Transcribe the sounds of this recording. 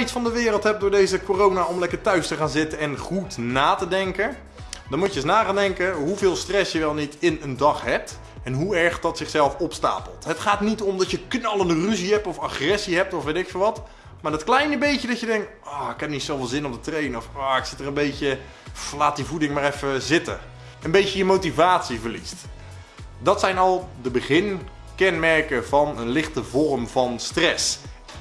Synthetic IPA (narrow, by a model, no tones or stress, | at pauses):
itsfɑndəʋɪːrəlˠtɦɛp̚dʊːɹdejzəkoːrownaɔmlɛkəɹtœɥstəχaːnzɪtənɛnχutnaːtədɛŋkə | dɑnmuəəsnaːχaːndɛŋkəɦuvɪːlˠstrɛsjəʋɛlˠnitɪnəndɑχɦɛp̚t | ɛnɦuɛɹχdɑtsɪχsɛlˠfɔpsta̰ːpəlˠtɦətχaːtnitɔmdɑtjəknɑlˠəndəryziɦɛp̚tɔfaχrɛsiɦɛp̚tɔfʋetɪkfɪːlˠʋɑt | maːɹdɔtklɛjnəbejtjədɔtjədɛŋk̚t | ɔːɪkɛp̚nitsoːwvɪlˠzɪnɔp̚dətrejnɔfɔɪksɪtərənbejcə | laːt̚divudɪŋmaːrɛfəzɪtə̰ | ənbejtəjəmowtivaːtsivəɹlist | dɑtsɛjnɔlˠdəbəχɪn | kɛnmɛrkəvɑnənlɪχtəvɔrmvɑnstrɛs